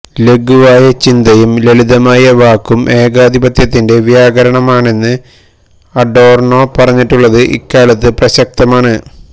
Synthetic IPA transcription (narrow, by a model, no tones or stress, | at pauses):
le̞ɡʱuʋaːjɐt͡ɕind̪ɐjumleɭiðɐmaːjɐʋaːkːumʔe̞ːɡaːd̪ʱibɐt̪ʰjɐt̪ːinde̞ʋjaːɡɐɾɐɳɐmaːɳe̞nːɨ | ɐɖo̞ːrno̞ːpɐrɐɲːiʈːuɭːɐðɨʔḭkːaːɭɐt̪ːɨprɐɕɐk̚t̪ɐmaːɳɨ